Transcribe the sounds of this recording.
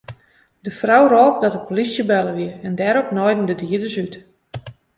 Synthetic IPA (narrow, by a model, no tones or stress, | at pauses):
dəfrawroːp̚dɔtəpolisjəbɛləʋiəɛndɛːɾɔpnɔjdən̩dədiədəsyt